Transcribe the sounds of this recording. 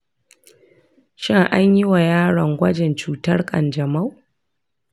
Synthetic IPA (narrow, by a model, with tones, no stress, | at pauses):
ʃɪ˦ŋʔa˦ɲjɪ˦wa˨jaː˦ɽɐ˨ŋɡʷɐ˦d͡ʒɛ˨nt͡ʃuː˦tɐ˦rkʼɐ̰˨nd͡ʒɐ˨ma˦w